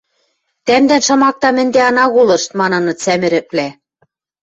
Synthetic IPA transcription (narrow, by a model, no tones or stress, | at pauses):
t̪æmd̪ænʃɤ̆mɑk̚t̪ɑmɘ̆nd̪eɑnɑɣulɤ̆ʃt̪mɑnɤ̆nɤ̆t͡sæmɘ̆ɾɘ̆plæ